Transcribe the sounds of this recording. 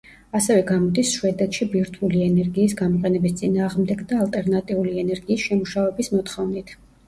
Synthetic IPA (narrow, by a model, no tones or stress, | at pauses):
asɛvɛɡamɔd̪isʃwɛd̪ɛt̪ʃibiɾt̪ʰuliɛnɛɾɡiːsɡamɔqʼɛnɛbist̪sʼinaːʁmd̪ɛɡd̪aːlˠt̪ʼɛɾnat̪ʼiuliɛnɛɾɡiːsʃɛmuʃavɛbismɔt̪ʰχɔvnit̪ʰ